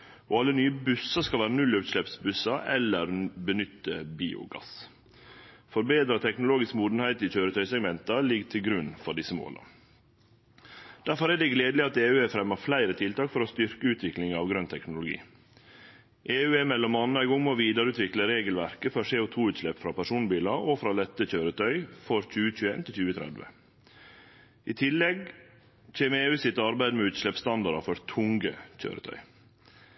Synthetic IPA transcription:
ɔɑlːənyːəbʉsɑskɑlʋæːɾənʉlːʉːt̪ʂlɛpsbʉsɑʔɛlːəɾbənʏt̪ːəbiːʊ̰ɡɑ̰s | fɔɾbeːd̪ɾɑt̪ʰɛknʊloːɡɪskmuːd̪n̩hæɪt̪ɪçøːɾət̪ʰœʏsɛɡmɛnt̪ɑlɪɡt̪ʰɪlɡɾʉnfɔɖɪsːəmo̰ːlɑ̰ | d̪̥æɾfɔɾæɖɛɡleːd̪lɪɑt̪eːʉːɛfɾɛmːɑflæɪɾət̪ʰɪlt̪ɑːkfɔɾɔst̪ʏɾkəʉːt̪ʰʋɪklɪŋɑʋɡɾœnt̪ʰɛknʊlʊɡḭː | ʔeːʉːɛmɛlːɔmɑnəæɪɡɔŋːmoːʋiːd̪əɾəʉːt̪ʋɪkləɾeːɡəlʋæɾkəfɔseːʊt̪ʰuːʉːt̪ʂlɛpfɾɑːpæʂuːnbiːlɑɾofɾɑːlɛt̪ːəçøːɾət̪ʰœʏfɔɾc͡çʉːəc͡çʉːḛːnt̪ʰɪlçʉːət̪ʰɾæ̰d̪ʋə̰ | ʔit̪ʰɪlːɛɡ | t͡ʃeːməeːʉːsɪt̪ːəɑɾbæɪd̪əmɛʉːt̪ʂlɛpst̪ɑnd̪ɑɾɑfɔɾt̪ʰʊŋɡə̰c͡çø̰ːɾə̰t̪ʰœ̰ʏ

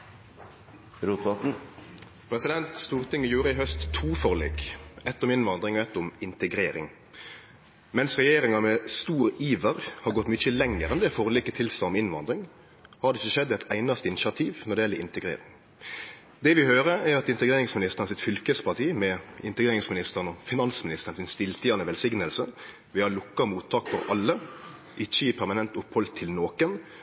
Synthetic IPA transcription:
ɾuːt̪ɔ | pʰɾɛsɪd̪ɛnt̪st̪uːʁt̪ʰɪŋːəjuːɾəɪɦœst̪ʰːuːfɔʁlḛːkɛt̪ːəʁɔmɪnʋɑnd̪ɾɪŋɔɛt̪ːʊmɪnt̪əɡɾeːɾɪ̰ŋ | mɛnsʁɛjeːɾɪŋɑmɛst̪uːɾəiːʋəʁhɑɾɡɔt̪ːmʏt͡ʃəlɛŋːəɾɛnd̪ɛːfɔʁliːkət̪ʰɪlsɛɔmɪnʋɑ̰nd̪ɾɪŋ | hɑɾd̪ɛɪçːəʃɛd̪ːɛt̪ʰæɪnɑst̪əɪnɪʃɪɑt̪ʰiːʋnɔɖ̪ɛjɛləɪnt̪əɡɾḛːɾɪŋ | d̪ɛʋɪhøːɾəɾɛɾɑt̪ɪnt̪əɡɾeːɾɪŋsmɪnɪst̪əʁnsɪt̪fʏlkəspɑt̪ʰiːmɛɪ̰nt̪əɡɾeːɾɪŋsmɪnɪst̪əʁənɔfɪnɑnsmɪnɪst̪əʁnsɪnst̪ɪlt̪ʰɪʁnəʋɛlsɪɡnəlsə | ʋɪhɑlʊkːɑmuːt̪ʰːɑːkfɔɾɑlːə | ʔɪçːəɪpʰæɾmɑnɛnt̪ʊphɔlt̪ʰːɪlnoːkən

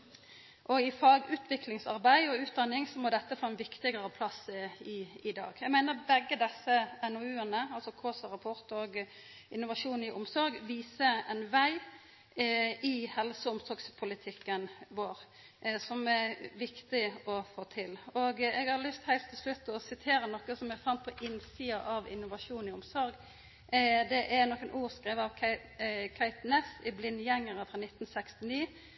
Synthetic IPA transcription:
ʔɔɪfɑːɡʉːt̪ʰʋɪklɪŋsɑ̰ɾbæɪɔʉːt̪̚d̪ɑnːɪŋsɔmɔd̪ɛt̪ːəfoːɛnʋɪkt̪ɪɡəɾəpʰlɑsːəɪɪd̪ɑ̰ːɡæɡmæɪnəɾbɛɡːəd̪ɛsːəɛnɔʉːənəɑlsɔkʰoːsəʁɑpʰɔɾt̪oɡ | ɪnːʊʋɑʂuːnɪʔʊmsɔɾɡʋiːsəɛnʋæɪ | ɪhɛlsəʊmsɔɾɡspʰʊlɪt̪ʰɪkːənʋoːɾ | sɔmɛʋɪkt̪ɪɔfoːt̪ʰɪlɔːɡɛɡhɑɾlʏst̪hæɪlt̪ʰːɪlslʉt̪ːɔsɪt̪ʰeːɾənɔkːəsɔmɛfɑnt̪̚pʰɔʔɪnsiːɑʔɑʋɪ̰nːʊʋɑʂuːnɪʊmsɔɾɡ | d̪ɛʔæɾnɔkːənʔuːʁskɾeːʋəɑʋʰ | kʰæɪt̪nɛsɪblɪnːjɛŋːəɾəfʁɑnɪt̪ːn̩sɛkst̪ɪniː

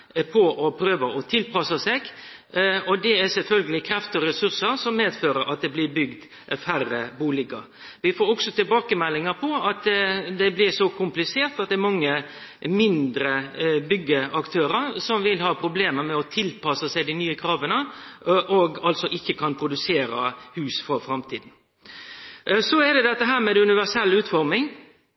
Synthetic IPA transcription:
pʰɔʔɔpʰɾøːʋəɔt̪ʰɪlpɑsəsɛɡ | ɔd̪ɛæsɛlfœlɡəlɪkʰɾɛft̪əɔɾɛsʉɾsəɾsɔmːeːd̪føːɾəɾʔɑ̰t̪̚d̪ɛblɪbʏɡd̪ | færːəbuːlɪɡəɾ | ʋɪfoːɾɔksɔt̪ʰɪlbɑːkəmɛlːɪŋəpʰɔɑt̪d̪ɛblɪɾsɔkʰʊmplɪseːɾt̪ɑt̪̚d̪ɛɾmɑŋːə | mɪnd̪ɾəbʏɡːəɑkt̪ʰøːɾəɾsɔmʋɪlhɑːpʰɾʊbleːməɾmɛɔt̪ʰɪlpʰɑsəsæɪd̪ɪnyːəkʰɾɑːʋənəʔɔɡɑlt̪sɔʔɪçːəkʰɑnpʰɾʊd̪ʉseːɾəhʉːsfɔɾfɾɑmt̪ʰiːd̪n̩ | sɔɛd̪ɛd̪ɛt̪ːəɦæːɾmɛd̪ʉnɪʋæsɛlːʉːt̪fɔɾmɪŋ

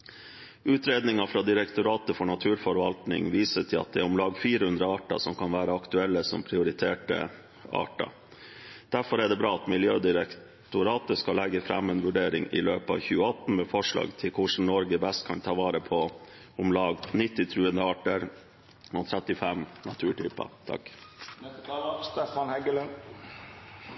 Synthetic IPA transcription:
ʉːt̪ɾeːd̪nɪŋɑfɾɑd̪ɪɾɛkt̪ʊɾɑːt̪əfɔɳɑt̪ʰʉːɾfɔɾʋɑ̰lt̪nɪ̰ŋʋiːsət̪ʰɪlɑ̰t̪̚d̪ɛæɾʊmlɑːɡfiːɾəhʉnd̪ɾəɑːʈɑ̰sɔmkɑnʋæːɾəɑkt̪ʉɛlːəsɔ̰mpʰɾɪʊɾɪt̪ʰeːʈə̰ | ɑ̰ːʈɑ̰ | d̪̥æɾfɔɾɛɖɛbɾɑːɑt̪mɪljøːd̪ɪɾɛk | t̪ʊɾɑːt̪əskɑlːɛɡːəfɾɑ̰mːeːnʋʉɖeːɾɪ̰ŋɪ̰løːpɑ̰ʋçʉːəɑt̪ːn̩mɛfɔʂɭɑ̰ːɡt̪ʰɪlkʰʊʂn̩nɔɾɡəbɛst̪̚kʰɑnt̪ʰɑːʋɑːɾəpʰɔ | ʊmlɑːɡnɪt̪ːɪt̪ʰɾʉːənəɑːʈəɾ | nɔt̪ʰɾɛt̪ːɪfɛmnɑt̪ʰʉːʈʰy̰ːpɑ̰t̪ʰɑ̰k | st̪ɛfɑnhɛɡələn

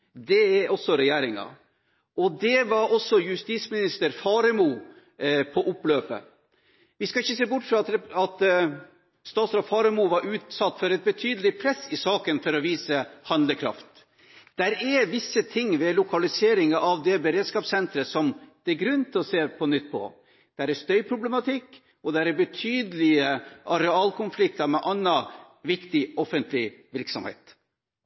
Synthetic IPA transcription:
d̪ɛɛɔsːɔɾɛjeːɾɪŋɑ̰ | ɔd̪ɛʋɑɾʔɔsːɔjʉst̪ismɪnɪst̪əɾfɑːɾəmuː | pʰɔʔʊpːløːpə̰ | ʋɪskɑɪçːəseːbʊʈːfɾɑt̪ɑt̪ | st̪ɑːt̪sɾɑfɑːɾɛmuːʋɑɾʉːt̪sɑt̪ːfɔɾɛt̪̚bət̪ʰyːd̪əlɪpʰɾɛsːɪsɑːkənfɔɾɔʋiːsəhɑnd̪ləkʰɾɑ̰ft̪ | d̪̥æɾɛʋɪsːət̪ʰɪŋːʋɛlʊkʰɑlɪseːɾɪŋɑʔɑʋd̪ɛbəɾeːd̪skɑːpsɛnt̪ɾəsɔmd̪̥æɾɡɾʉnt̪ʰɪɔseːpʰɔnʏt̪ːpʰɔ̰ | d̪̥æɾɛst̪œʏpʰɾʊblɛmɑt̪ʰɪkː | ɔd̪æɾɛɾbət̪ʰyːd̪əlɪəʔɑɾɛɑːlkʰʊnflɪk̚t̪ɑɾmɛʔɑnːɑ | ʋɪkt̪ɪɔfənt̪ʰlɪʋɪɾksɔ̰mhḛːt̪

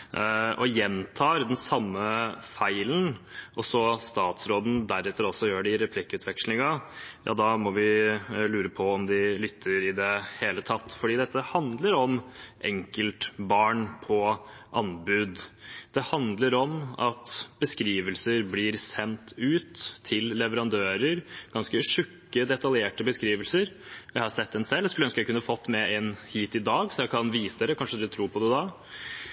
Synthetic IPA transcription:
ʔɔjɛnt̪ʰɑːɾd̪ɛnsɑmːəfæɪlənʔɔsɔst̪ɑːt̪sɾoːd̪n̩d̪æɾɛt̪ːəɾɔsːɔjøːɖɪɪɾɛpʰlɪkːəʉːt̪ʰʋɛkʂlɪŋɑjʔɑ̰ːd̪ɑmɔʋɪlʉːɾəpʰɔɔmd̪ɪlʏt̪ʰːəɾɪd̪ɛheːlət̪ʰɑt̪ːfɔɖiːd̪ɛt̪ːəhɑnd̪ləɾɔmʔɛ̰ŋkəlt̪bɑːɳpʰɔʔɑnbʉd̪d̪̥ɛhɑnd̪ləɾɔmɑt̪b̥əskɾiːʋəlsəɾblɪːɾsɛnt̪ʉːt̪ʰːɪlːɛʋəɾɑnd̪øːɾəɾɡ̥ɑnskəʂʉkːəd̪ɛt̪ɑljeːʈəbəskɾiːʋəlsəɾ | jæɪhɑɾsɛt̪ːɛnsɛld̪ɛskʉləœnskəjæɪkʉnːəɑfɔt̪ːmɛɛnhiːt̪ɪd̪ɑːɡsɔjæɪkʰɑnʋiːsəd̪eːɾəkʰɑnʂəd̪ʉt̪ʰɾuːɾpʰɔd̪ɛd̪ɑ

